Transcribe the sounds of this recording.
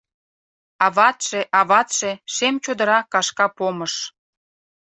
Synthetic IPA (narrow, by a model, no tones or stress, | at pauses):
ɑβɑt̪ʃeʔɑβɑt̪ʃeʃemt͡ɕod̪ə̆ɾɑkɑʃkɑpoməʃ